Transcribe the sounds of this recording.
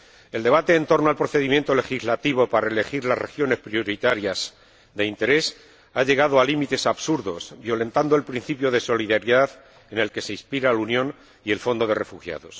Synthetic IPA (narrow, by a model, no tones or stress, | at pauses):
e̞ld̪eβat̪e̞ːnt̪o̞ɾnoalpɾo̞θe̞ðimje̞nt̪o̞le̞xizlat̪iβ̞o̞paɾaele̞xiɾlazre̞̰xjo̞ne̞spɾjo̞ɾit̪aɾjas | d̪e̞int̪e̞ɾe̞s | aʎe̞ɣ̞aðoalimit̪e̞saβsuɾðo̞sbjo̞le̞nt̪and̪oe̞lpɾin̟θipjo̞ðe̞so̞liðaɾiðað | e̞ne̞lke̞se̞ispiɾalunjõ̞n | ie̞lfo̞nd̪oðe̞re̞fuxja̰ðo̞s